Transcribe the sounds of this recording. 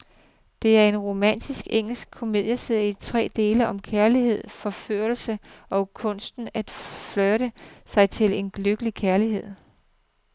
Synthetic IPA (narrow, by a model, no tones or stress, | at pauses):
d̥e̝æɐe̝nʁo̝mæn̰d̥isɡ̥eŋ̰l̩sɡ̥̚kʰo̝me̝ð̰ˠjəsið̰ˠit͡sʰʁɛ̰ːd̥e̝ːləʔɒ̽mkʰæɐlihe̝ð̞̰ˠfɒ̽føːl̩səɒ̽kʰɔ̽n̰sd̥n̩æd̥flœɪɾ̥əsɑ̈ɪt͡sʰe̝le̝nløɡ̥əlikʰæɐliɦe̝ð̞̰ˠ